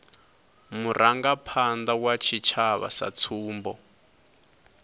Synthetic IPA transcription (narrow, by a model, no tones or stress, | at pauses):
muɾʔaŋɡapʰand̪awat͡ʃʰit͡ʃʰaβa̰sa̰t͡sʰuːmbɔ